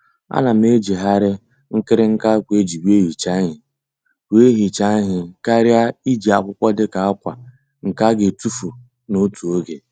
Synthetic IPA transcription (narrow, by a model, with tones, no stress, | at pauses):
a̰˦na˨m̩˦e˦d͡ʒi˨ɦa˦ɾɪ˦ | ŋ̩˦kɪ˦ɾɪ˦ŋ̩˦ka˦kʷe˦d͡ʒi˨bi˦e˦ɦi˨t͡ʃa˦ɦɪ˨ | wʷe˦ɦi˨t͡ʃa˦ɦɪ˨ka˦ɾja˦i˦d͡ʒi˨a˨kʷʊ˦kʷɔ˦dɪ˦ka˨a˦kʷa̰˨ | ŋ̩˨ka˦ɡe˨tu˦fu˨ | no˦tu˨o˦ɡe˨